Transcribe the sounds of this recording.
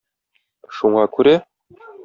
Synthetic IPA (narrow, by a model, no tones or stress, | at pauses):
ʃuɴɑkʉɾæ